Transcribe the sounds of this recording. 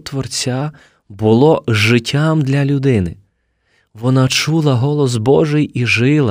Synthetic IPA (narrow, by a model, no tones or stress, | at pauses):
t̪ʋɔrt͡sʲa | bʊlˠɔʒɪtʲʰːamd̪lʲɐlʲʊd̪ɪnɪ | ʋɔnɑt͡ʃulˠɐɦɔlˠɔs̬bɔʒɪjiʒɪlˠɐ